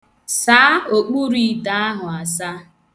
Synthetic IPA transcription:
saː˨˦o˨k͡pu˦ɾi˦˨da˨a˦ɦʊ˨a˨sa˦

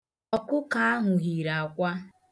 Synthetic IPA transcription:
ɔ˨kʊ˦ka˨a˦ɦʊ˨ɦi˨ɾa˨kʷa˦

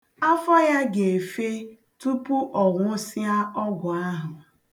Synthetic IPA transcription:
a˦fɔ˦ja˦ɡe˨e˨fe˦ | tu˦pʊ˦ʔɔ˨ŋʷʊ˦sɪ˦a˦ɔ˦ɡʷʊ˨a˦ɦʊ˨

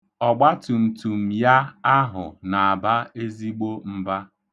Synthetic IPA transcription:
ɔ˨ɡ͡ba˦tu˨n̩˨tu˨m̩˨ja˦a˦ɦʊ˨na˨a˨ba˦e˦zi˦ɡ͡bo˦m̩˦ba˦

